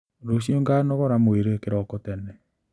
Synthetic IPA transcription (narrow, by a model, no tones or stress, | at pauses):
ɾoɕioŋɡanɔɣɔɾamoeɾekeɾɔkotɛnɛ